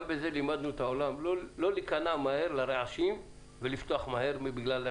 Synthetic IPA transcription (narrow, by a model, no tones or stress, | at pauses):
be̞ze̞limad̪nuet̪aolamlolo̞likanamaheʁlaʁeʕaʃim | velift̪oaχmaɦeʁmibiɡlala